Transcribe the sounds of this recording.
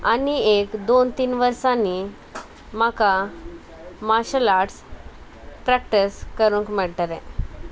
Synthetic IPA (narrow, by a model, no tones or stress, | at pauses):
aniekd̪ont̪iːnʋəɾsãnːi | maka | maɕəlaʈs | pɾɛk̚ʈiskəɾuŋkmiɭʈ̪aɾḛ̃